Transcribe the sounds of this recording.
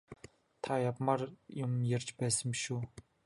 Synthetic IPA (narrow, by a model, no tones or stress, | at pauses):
t̪ʰajapmarjʊmjert͡ɕpæːsə̆mʃuː